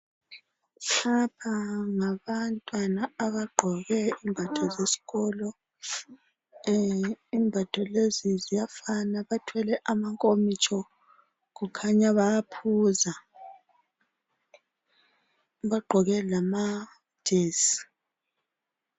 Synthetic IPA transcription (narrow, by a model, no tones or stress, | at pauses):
ɬapʰaŋaβantʼwanaːβaɡ͡ǃʱɔɣɛimbʱatʰɔzesi̥ɣɔlɔ | imbʱatʰɔlezizijafanaβatʰwɛlɛʔamaŋkʼomit͡ʃʼɔ | ɣukʰaɲaβajapʰuːza | βaɡ͡ǃʱɔɣɛlama | d̥ʱeːsi̥